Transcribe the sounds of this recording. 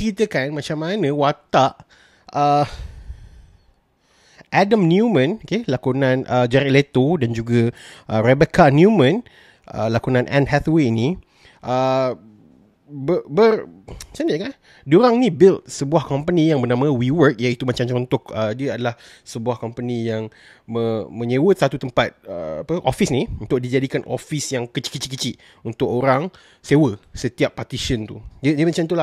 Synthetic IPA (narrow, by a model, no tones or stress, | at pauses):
kɾit̪əkanmat͡ʃamːanə̃wat̪aʔ | ə | ʔadəmnjumə̃nokelakunãnʔəd͡ʒɛɾilet̪odand͡ʒuɡəʔərɛbekanjumə̃n | ʔə̰lakunãnʔɛ̰̃nɦɛt̪weni | ʔə | bəbərsənəʔkan | duɾaŋnĩbɪlt̪̚səbuahkɔmpənijaŋbərnamə̃wiwərk̚jait̪umat͡ʃamt͡ʃɾɔnt̪ʊkədiəadalah | səbuahkɔmpənijaŋ | məmə̃ɲewət̪̚sat̪ut̪əmpat̪̚əa̰pəʔofisniunt̪ʊk̚did͡ʒadikanʔo̰fisjaŋkət͡ʃi̥ʔkːət͡ʃiʔkːət͡ʃiʔ | unt̪ʊkoɾaŋ | sewəsət̪iapːat̪iʃənt̪udədiəmãt͡ʃamt̪ulah